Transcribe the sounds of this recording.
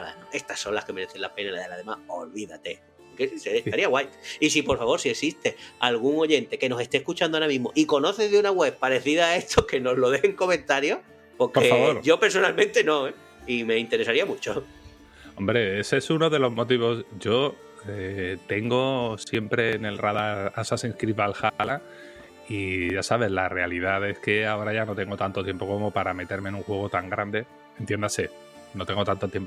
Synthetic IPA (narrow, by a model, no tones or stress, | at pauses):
ala̰noe̞st̪asːõ̞nlahke̞me̞ɾe̞θenlape̞nalaðelaðe̞maholβiða̰t̪e̞ | keseet̪aɾiaɣwajt̪is̬ipo̞ɾfaβo̞ɾsiesist̪ealɣ̞uŋo̞ʝe̞nt̪e̞ke̞no̞se̞st̪ehkut͡ʃand̪oaɾamĩɦmo̞ʔiko̞no̞θe̞zðunaɣwe̞β̚paɾe̞θiðae̞ht̪ʰoke̞no̞zlo̞ðeŋko̞mẽ̞nt̪aɾjo̞ | po̞ɾkoeaβoɾʝo̞pe̞ɾs̬o̞nalmẽnt̪e̞nõ̞e | ime̞int̪eɾe̞saɾiamut͡ʃo | o̞mbɾe̞esesuno̞ðe̞lo̞zmo̞t̪̬iβ̞o̞sʝo̞ | et̪e̞ŋɡo̞sje̞mpɾe̞ne̞lraðaɾasasĩnskɾiβalxala | iʝasaβ̞e̞zlare̞alið̞aðe̞ske̞ao̞ɾaʝano̞t̪e̞ŋɡo̞t̪ant̪ot̪jempo̞ko̞mo̞paɾame̞t̪e̞ɾmenuŋxwe̞ɣ̞o̞t̪aŋɡɾand̪e̞ | ent̪je̞nd̪ase̞ | no̞t̪e̞ŋɡot̪ant̪ot̪jemp